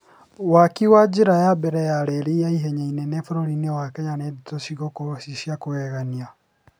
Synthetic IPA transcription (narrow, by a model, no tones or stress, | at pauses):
wakiwad͡ʒiɾajabɛɾɛjaɾeɾijaiɦeɲainɛnefuɾoɾinewakɛɲaneditoʃiɣokosiʃjakuwɛɣania